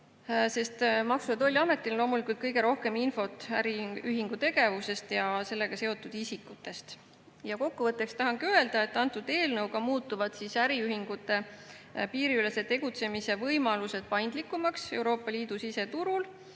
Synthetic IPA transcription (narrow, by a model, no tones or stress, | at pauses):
se̞st̪mɑksujɑd̪o̞lʲːiɑme̞t̪ːˑillo̞ːmulikult̪̚kɤjɡe̞ɾo̞hke̞minfo̞t̪ˑæɾiyɦiŋɡ̥ut̪e̞ɡe̞vuse̞st̪jɑse̞lːe̞ɡ̥ɑse̞o̞t̪ːˑud̪̥isikːˑut̪ːˑe̞st̪ | jɑko̞kːuvɤt̪ːˑe̞kst̪ɑɦɑŋɡ̥øe̞ld̪̥ɑe̞t̪ːˑɑnt̪ːˑud̪̥e̞ːlnɤwɡɑmuːt̪ːˑuvɑd̪̥sisæɾiyhiŋɡ̥ut̪ːˑe̞piːɾiyle̞se̞t̪e̞ɡ̥ut̪se̞mise̞vɤjmɑluse̞d̪̥̚pɑjnd̪likːˑumɑkse̞wɾo̞ːpːˑɑliːd̪̥usise̞t̪uɾul